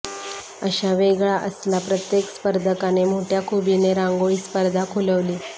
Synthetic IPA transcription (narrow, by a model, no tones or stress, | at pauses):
əɕaʋeɡɭaʔəslapɾət̪jekspəɾd̪ʱəkanem̤oʈʰjakʰubineɾãŋɡoɭiːspəɾd̪ʱakʰuləʋliː